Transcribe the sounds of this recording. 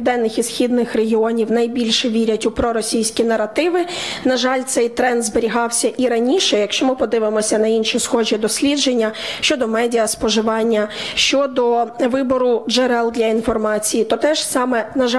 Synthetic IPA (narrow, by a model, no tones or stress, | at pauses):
d̪ɛnːɪxisxʲid̪nɪxreɦʲiɔnʲiwnɐjbʲilʲʃɛʋʲiɾʲɐtʲʊpɾɔɾɔsʲijsʲkʲinɐrɐt̪ɪʋɪnɐʒɑlʲt̪sɛjt̪ɾɛnd̪zbeɾʲiɦɑwsʲɐʔiɾɐnʲiʃɛjɐkʃt͡ʃɔmɪpɔd̪ɪʋɪmɔsʲɐnɐinʃʲisxɔʒʲid̪ɔsʲlʲid͡ʒenʲːɐʃt͡ʃɔd̪ɔmɛdʲiɐspɔʒɪʋɑnʲːɐʃt͡ʃɔd̪ɔʋɪbɔɾʊd͡ʒeɾɛlˠd̪lʲɐinfɔrmɑt͡sʲijit̪ɔt̪ɛʒ̥sɑmɛnɐʒ